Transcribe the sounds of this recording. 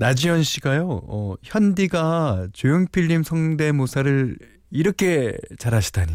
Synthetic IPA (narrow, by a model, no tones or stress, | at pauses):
nad͡ʑiʌnɕ͈ʰiɡajoʌ̰çjʌndiɡat͡ɕojoŋpʰiʎːimsʰʌŋde̞mosʰaɾɯɭ | iɾʌkʰe̞t͡ɕaɾɦaɕʰi̥daɲi